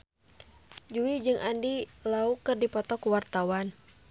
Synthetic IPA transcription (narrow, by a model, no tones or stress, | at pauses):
d͡ʒuid͡ʒɨŋʔandilaukɨrdipɔt̪ɔkuwart̪awan